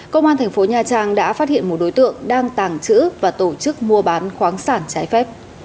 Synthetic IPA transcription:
kə˧wŋ͡mʔaː˧nt̪ʰɛ˨˩ŋ̟fo˨˦ɲaː˨˩t͡ɕaː˨˧˩ŋɗa̰ː˧˥faː˦˥t̚hḭ˧˨ənmo˨˩t̚ɗo˨˦jt̪ɨ̰˧˨əŋɗaː˧ŋt̪aː˨˩ŋt͡ɕɨ̰˧˥vaː˨˩t̪o˧˩t͡ɕɨ˦˥k̚mu˧əɓaː˨˦nxwaː˨˦ŋsaː˧˩nt͡ɕaː˨˦jfɛ˦˥p̚

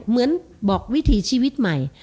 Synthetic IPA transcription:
mɯ˨˦˥ən | bɔː˨˩k̚wi˦˥t̪ʰiː˨˩˦t͡ɕʰiː˧wi˦˥t̪̚ma˨˩j

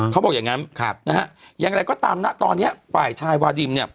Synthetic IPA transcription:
kʰa˦˥wbɔː˨˩k̚a˨˩ŋa˦˥nkʰa̰˧˩p̚na˦˥ha˦˥ʔjaː˨˧ŋɾa˧jkɔː˥˩t̪aː˧mna˦˥ʔt̪ɔː˧nːi˦˥ɐpaː˨˩jt͡ɕʰaː˧jwaː˧di˧mni˥˩ə

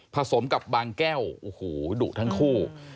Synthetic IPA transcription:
pʰa˧so˩˦mka˨˩p̚baː˧ŋkɛː˥˩wʔoː˨˩hoː˨˩duː˨˩t̪ʰa˥˩ŋkʰuː˥˩

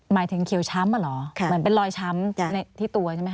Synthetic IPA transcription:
maː˩˦jt̪ʰɯ˩˦ŋkʰi˨˩˦wt͡ɕʰa˦˥mːa˧˩lɔ˩˦˧ɯ˩˦npe˧nlɔː˧jt͡ɕʰa˦˥m˧˩na˧jt̪ʰiː˥˩t̪u˧ɐt͡ɕʰma˦˥˩

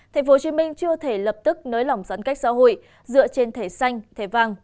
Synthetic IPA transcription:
t̪ʰa˨˩ŋ̟fo˨˦t͡ɕi˨˦mï˧ŋ̟t͡ɕɨ˧ət̪ʰe˧˩lə˨˩p̚t̪ɨ˦˥k̚nəː˨˦jla˨˩wŋ͡msaː˨˦nka˦˥jk̟̚sa̰ː˧˦ɦo̰˧˨j | zɨ̰˧˨ət͡ɕe˧nt̪ʰe˧˩sa˧jŋ̟t̪ʰe˧˩vaː˧˩ŋ

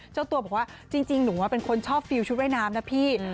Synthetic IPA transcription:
t͡ɕa˥˩wt̪u˧bɔ˨˩kwaː˥˩t͡ɕi˧ŋt͡ɕi˧ŋnuː˩˦waː˦˥˩pe˧nkʰo˧nt͡ɕʰɔː˥˩p̚fi˧wt͡ɕʰu˦˥t̪̚wa˥˩jnaː˦˥mna˦˥pʰiː˥˩

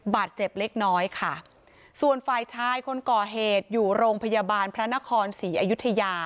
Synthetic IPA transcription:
baː˨˩t̪̚t͡ɕe˨˩p̚le˦˥k̚nɔː˦˥jkʰa˥˩ | su˨˩ənfaː˧jt̪ʰaː˧˥jkʰo˧nkɔː˨˩ɦeː˨˩t̪̚juː˨˩ɾoː˧ŋpʰa˧jaː˧baː˧npʰɾa˦˥na˦˥kʰɔː˧nsiː˩˦ʔa˧ju˦˥t̪ʰːa˧jaː˧

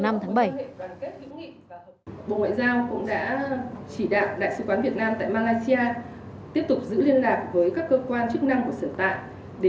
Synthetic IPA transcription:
na˧mt̪ʰaː˨˦ŋɓə˧˩ja˨˩nke˦˥t̚hɨ̰˧˥ŋḭ˧˨ | ɓo̰˧˨ŋwa̰ː˧˨jzaː˧wkʊ̰˧˥ŋ͡mɗa̰ː˧˥t͡ɕi˧˩ɗa̰ː˧˨wɗa̰ː˧˨jsɨ˨˦˥kwaː˨˦nvi˨˩ət̚naː˧mt̪a̰ː˧˨jmaː˧laː˧jsi˧aː˧t̪i˦˥əp̚t̪ʊ˨˩k͡p̚zɨ̰˧˥li˧ənlaː˨˩p̚vəː˨˦jkaː˦˥kːəː˧kwaː˧nt͡ɕɨ˦˥k̚na˧ŋku˧˩əsəː˧˩nt̪a̰ː˧˨j | ɗe˧˩

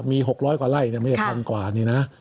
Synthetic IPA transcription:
miː˧ɦo˨˩k̚ɾɔː˦˥jkwaː˨˩la˥˩jni˥˩ma˥˩a˥˩t̪a˧ŋkwaː˨˩niː˧˩na˦˥

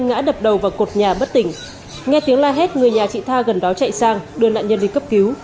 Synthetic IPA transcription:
ŋŋa̰ː˧˥ɗə˨˩p̚ɗə˨˩wvaː˨˩wko˨˩t̚ɲaː˨˩ɓə˦˥t̚t̪ï˧˩ŋ̟ | ŋɛ˧t̪i˨˦əŋlaː˧ɦe˦˥t̚ŋɨ˨˩əjɲaː˨˩t͡ɕḭ˧˨t̪ʰaː˧ɣə˨˩nɗɔ˨˦t͡ɕa̰˧˨jsaː˧ŋɗɨ˧əna̰ː˧˨nɲə˧nvi˨˩kə˦˥p̚ki˨˦w

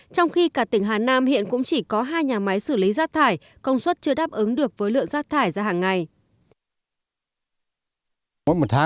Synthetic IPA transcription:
t͡ɕɔ˧wŋ͡mxi˧kaː˧˩t̪ï˧˩ŋ̟ɦaː˨˩naː˧mhḭ˧˨ənkʊ̰˧˥ŋ͡mt͡ɕi˧˩kɔ˨˦ɦaː˧jɲaː˨˩ma˨˦jsɨ˧˩li˨˦zaː˦˥k̚t̪ʰaː˧˩j | kə˧wŋ͡mswə˦˥t̚t͡ɕɨ˧əɗaː˦˥p̚ʔɨ˨˦ŋɗɨ˨˩ək̚vəː˨˦jlɨ̰˧˨əŋzaː˦˥k̚t̪ʰaː˧˩jzaː˧ɦaː˨˩ŋːa˨˧j | ɔ˧˦˥jmo˨˩t̚t̪ʰaː˨˦

